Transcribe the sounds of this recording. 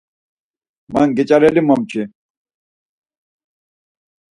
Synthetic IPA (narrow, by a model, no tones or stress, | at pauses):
mɐ̰ŋɡit͡ɕɐɾelimomt͡ɕʰi